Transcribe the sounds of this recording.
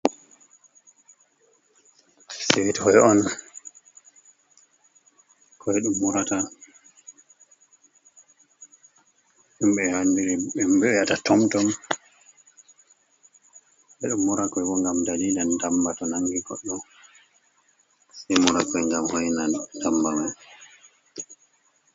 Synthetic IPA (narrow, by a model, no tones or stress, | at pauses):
sewitihɔjɔn | kʰɔɛɗumːuɾata | ʔumɓɛhandiɾɛɛmbɛjatatʰɔmtɔm | ɓɛɗumːuɾakɔɛbɔŋɡamdalilandambatɔnaŋɡiɡɔ̰ɗːɔ | sɛjmuɾakɔjŋɡamhɔjnadambama